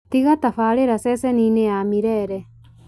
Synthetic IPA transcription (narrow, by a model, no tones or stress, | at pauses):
t̪iɣat̪ɐfaːɽeɾɐsɛsɛnineaːmiɾɛɾɛ